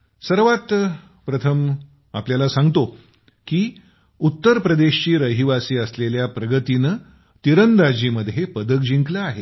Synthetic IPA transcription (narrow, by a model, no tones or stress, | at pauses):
səɾʋat̪ | pɾət̪ʰəm | a̰pljalasãŋɡt̪o | kiː | ut̪ːəɾpɾəd̪eɕt͡ɕiːɾəɦiʋasiːəsleljapɾəɡət̪in | t̪iɾənd̪ad͡ʑiːməd̪ʱjepəd̪əkd͡ʑiŋklaaɦe